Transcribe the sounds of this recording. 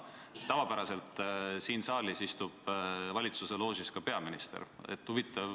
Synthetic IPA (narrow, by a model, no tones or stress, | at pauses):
t̪ɑvɑpæɾɑse̞lt̪ˑsiːnsɑːlisist̪ub̥vɑlʲit̪suse̞lo̞ːs̬iskɑpe̞ɑminist̪ḛɾḛt̪ːhuvit̪ːˑɑv